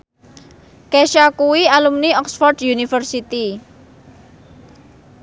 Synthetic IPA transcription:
kɛʃakuwialumniɔksfɔrd̥junifərsit̪i

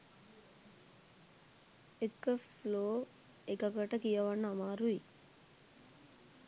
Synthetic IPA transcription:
ekːəfloː | ekɐɡɐʈɐkijɐʋɐnːəɐmaːɾui

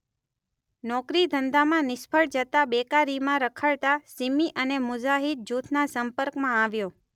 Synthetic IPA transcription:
nɔkɾid̪ʱənd̪amãnɪspʰəɭd͡ʒət̪abekaɾimãɾəkʰəɭt̪asimiʔənemʊd͡ʒaɦit̪̚d͡ʒut̪ʰnasəmpəɾkmãaʋjo

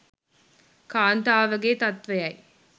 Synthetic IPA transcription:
kaːnt̪aːʋəɡeːt̪ɐt̪ʋejɐj

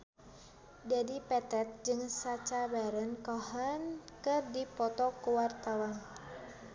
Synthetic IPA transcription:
d͡ʒadipɛt̪ɛt̪̚d͡ʒɨŋsat͡ʃabaɾənkɔɦɔnkɨrdipɔt̪ɔkuwart̪awan

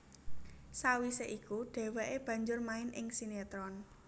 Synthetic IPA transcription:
sawiseʔikuɖ̪̥ɛ̤wɛʔeb̥ä̤ɲd͡ʒʊrmaɪnʔɪŋsinet̪ɾɔn

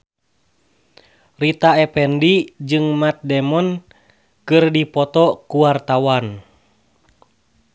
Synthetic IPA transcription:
rit̪aɛpɛndid͡ʒɨŋmat̪̚dɛmɔn | kɨrdipɔt̪ɔkuwart̪awan

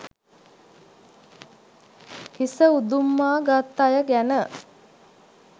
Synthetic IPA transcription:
hisəud̪umːaːɡat̪ːajəɡænə

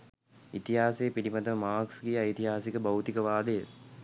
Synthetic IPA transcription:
it̪iɦaːsejːpiɾimat̪əmaːksɡijəɐjt̪iɦaːsikəbɐwt̪ikəʋaːd̪əjə

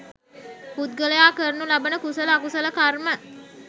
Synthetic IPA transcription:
put̪̚ɡələjaːkəɾnulabənəkusələakusələkarmə

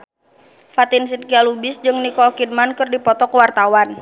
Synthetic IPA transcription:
fat̪insinkialubɪsd͡ʒɨŋnikɔlkidmankərdipɔt̪ɔkəwart̪awan

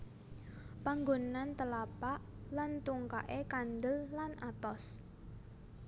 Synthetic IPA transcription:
paŋɡonant̪əlapaʔlant̪uŋka̰ʔekand̪əlːanʔat̪ɔs

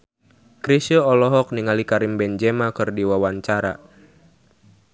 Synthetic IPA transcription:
kɾisəɔlɔɦɔk̚niŋalikaɾimbɛnd͡ʒɛmakɨrdiwawaɲt͡ʃaɾa̰

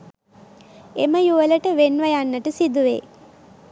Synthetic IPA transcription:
eməjuʋələʈəʋenʋəjanːəʈəsid̪uʋḛː

